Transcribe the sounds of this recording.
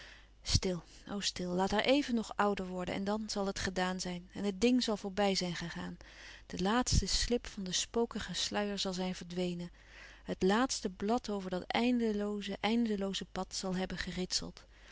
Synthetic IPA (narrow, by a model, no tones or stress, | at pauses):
stɪlˠ | o̰wstɪlˠlaːtɛɹʔejvənːɔχʌwdəɹʋɔɹdə̰nʔɛ̰ndɑnz̥ɑlˠɦətχədaːnzɛjnɛnɦət̚dɪŋzɑlˠvʊːɹbɛjzɛjnχəχaːnd̥əlaːtstəslɪpfɑndəspowkəχəslœɥəɹzɑlˠzɛjnvəɹdʋejnən | ɦətlaːtstəblɑtowvəɹdɑtɛjndəlowzəʔɛjndəlowzəpɑtsɑlˠɦɛbənχərɪtsə̰lˠt